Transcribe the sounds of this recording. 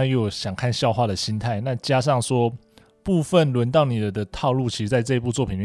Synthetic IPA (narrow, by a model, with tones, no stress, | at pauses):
jo˥˩ʊɕjɑ˨˩ŋkʰa˥˩nɕjɑ˥˧ʊxwa˥˩d̪ə˩ɕi˥nt̪ʰa˥˩ɪna˥˩t͡ɕja˥ʂ̬ɑ˥˩ŋʂwɔ˥ | pu˥˧fə˥˨nlwə˧˦nt̪ɑ˥˩ʊni˨˩d̪ə˦d̪ə˦t̪ʰɑ˥˧ʊlu˥˩t͡ɕʰi˧˥˧t͡sa˥ɪʈ͡ʂɤ˥˧i˧pu˥˧t͡swɔ˥˩pʰi˨˩n